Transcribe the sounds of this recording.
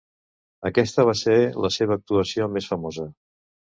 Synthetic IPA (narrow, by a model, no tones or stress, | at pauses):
əkɛst̪əβ̞aseləseβ̞əːk̚t̪uəsiomesfəmozə